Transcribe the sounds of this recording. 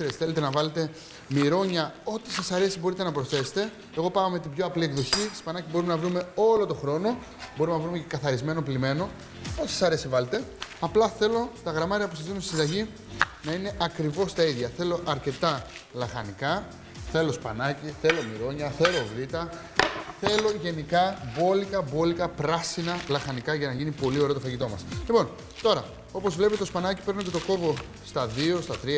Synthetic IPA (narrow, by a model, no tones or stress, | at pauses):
ɾesθelet̪̬enɐvɐle̞t̪e̞ | miɾo̞ɲɐo̞t̪i̥sɐsɐɾe̞sibo̞ɾit̪enɐpɾo̞sθe̞se̥t̪e̞ | eɣo̞pɐɣɐmet̪ibʝo̞ɐpliekðo̞çi̥spɐnɐcibo̞ɾumenɐvɾume̞o̞lo̞t̪o̞xɾo̞no | bo̞ɾumenɐvɾume̞ce̞kɐθɐɾizme̞no̞plime̞no̞ | ot̪i̥sesɐɾe̞sivɐle̞t̪e̞ɐplɐθe̞lo̞st̪ɐɣɾɐmɐɾiɐpusɐzðinunst̪i̥sid̪ɐʝi | nɐine̞ʔɐkɾivo̞st̪ɐiðʝɐθe̞lo̞ʔɐɾce̞t̪ɐlɐxɐnikɐ | θe̞lo̞spɐ̰nɐciθe̞lo̞miɾo̞ɲɐθe̞lo̞vɾit̪ɐ | θe̞lo̞ʝe̞nikɐbo̞likɐbo̞likɐpɾɐsinɐlɐxɐnikɐʝɐnɐʝinipo̞lio̞ɾeot̪oɐʝit̪o̞mɐslipo̞n | t̪o̞ɾɐ | o̞po̞zvle̞pet̪eospɐnɐci̥pe̞ɾnoce̞t̪o̞ko̞vo̞ | st̪ɐðio̞st̪ɐt̪ɾi